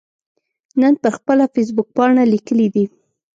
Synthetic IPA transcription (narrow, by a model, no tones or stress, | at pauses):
nənpəɾxpəlafes̬bʊk̚pɑɳalikəlid̪i